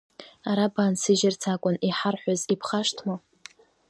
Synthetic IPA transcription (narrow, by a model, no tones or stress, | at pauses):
aɾabaːnsɨʒɪrt͡sʰakʷʼʊniħarħʷazipʰχaʂtʰma